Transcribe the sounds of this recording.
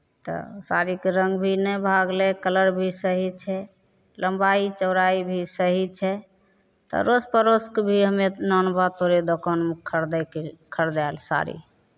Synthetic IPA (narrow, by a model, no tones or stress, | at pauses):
t̪ɔ̰saɾikeɾəŋɡbʱinɛbʱaɡlɛkələɾbʱisəɦit͡ʃʰɛ | ləmbait͡ʃəʊɾaibʱisəɦit͡ʃʰɛ | t̪ɔ̰ɾospəɾoskebʱiɦəmenɔnbat̪oɾed̪okanmekʰəɾd̪ɛkkʰəɾd̪ɛlsa̰ɾḭ